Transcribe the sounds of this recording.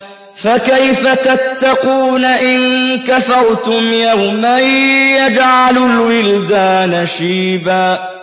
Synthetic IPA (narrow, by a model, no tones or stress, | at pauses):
fakajfat̪at̪ːɑquːnaʔɪnkafɑɾˤt̪ʊmjawmajːad͡ʒʕalʊlwɪld̪aːnaʃiːbaː